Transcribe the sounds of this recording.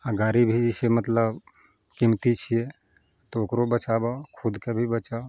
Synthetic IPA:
əɡaɾibʱid͡ʒisemət̪ləb | kimt̪it͡ʃʰije | t̪ookɾobət͡ʃabakʰʊd̪kebʱibət͡ʃa

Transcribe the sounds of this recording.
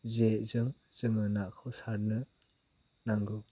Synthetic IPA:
zezɯŋz̥ɯŋɯnaʔkʰɔsaɾnɯ | naŋɡɯw

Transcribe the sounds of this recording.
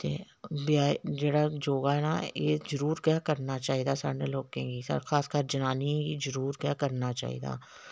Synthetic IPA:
t̪ḛː | bjaːd͡ʒeːɽad͡ʒoːɡaɦɛnajeːzəɾuːɾkjakɐɾnat͡ʃaːɦid̪asa̰ːneloːkẽɡisɐ̰ɾxaːskaːɾd͡ʒɐnaːniɛ̃ɡizəɾuːɾkjakɐɾnat͡ʃa̰ːɦḭd̪a̰ː

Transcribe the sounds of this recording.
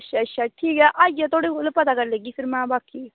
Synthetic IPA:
ʃʰaʃʰaʈʰiːkɛʔad͡ʒɛt̪ʰoːɽiolpɐt̪akɐɾləɡiːpʰɪɾmɛ̃ːbaːkiː

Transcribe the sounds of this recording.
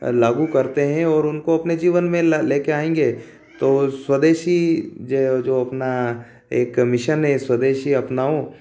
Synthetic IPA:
laːɡukɐɾt̪eɦɛ̃ɔːɾʊnkoɐpned͡ʒiːʋənmẽleːkeaːẽːŋ̆ɡeː | t̪oswəd̪eːʃid͡ʒed͡ʒoːɐpna | eːkːmɪʃənɦẽswɐd̪eːʃiɐpnaːõ

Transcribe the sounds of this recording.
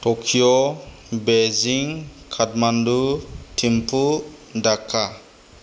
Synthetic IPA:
tɔkʰiɔ | beziŋkʰatmandutʰimpʰu | dakʰːa

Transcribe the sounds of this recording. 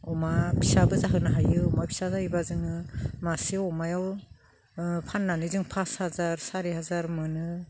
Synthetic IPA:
ɔmabʰisabɯzaɦɯnaɦajɯɔmapʰi̥sazahibazɯŋɯmasiɔmajaw | pʰanːanɯzɯŋpʰashazaɾsaɾiɦazaɾmɯnɯ

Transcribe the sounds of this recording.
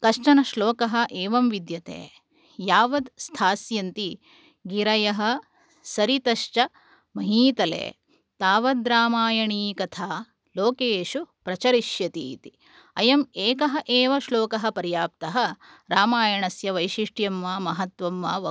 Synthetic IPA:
kɐʂʈɐnɐʃloːkɐɦɐ̆ʔeːʋɐmʋid̪jɐt̪ḛː | jaːʋɐd̪st̪ʰaːsjɐnt̪i | ɡiɾɐjɐɦɐ̆ | sɐɾit̪ɐʃt͡ʃɐ | mɐɦiːt̪ɐlḛː | t̪aːʋɐd̪ɾaːmaːjɐɳiːkɐt̪ʰaː | loːkeːʃupɾɐt͡ʃɐɾiʃjɐt̪ḭːt̪i̥ | ɐjɐmeːkɐɦɐ̆ʔeːʋɐʃloːkɐɦɐ̆pɐɾjaːp̚t̪ɐɦɐ | ɾaːmaːjɐɳɐsjɐʋɐjʃiʂʈjɐmʋaːmɐɦɐt̪ʋɐmʋa̰ːʋɐ

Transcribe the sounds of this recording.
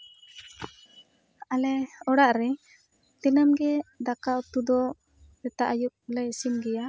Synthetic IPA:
alɛɔɽaʔɾɛ | t̪ɛnamɡɛd̪akawt̪ud̪ɔ | bɛt̪aʔajuʔ̚lɛsimɡɛja

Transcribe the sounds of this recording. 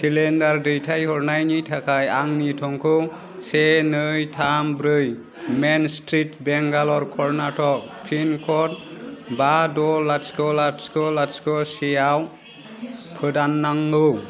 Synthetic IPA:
silendaɾdɯjtʰajhɔɹnajnitʰakʰajaŋnitʰɔŋkʰɯ | sɛnɯjtʰambɾɯj | menstɾitbɛŋɡalɔɾkʰɔɹnatʰɔk̚pʰinkʰɔt̚badɔlaskɔlaskɔlaskɔsijaw | pʰɯdanːaŋɯ

